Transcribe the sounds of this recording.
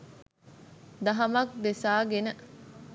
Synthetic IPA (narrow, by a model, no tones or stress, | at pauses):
d̪ɐɦɐmɐk̚d̪esaːɡenə